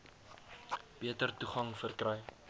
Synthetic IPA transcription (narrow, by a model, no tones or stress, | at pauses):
b̥iətərtuχɐŋfərkrɛj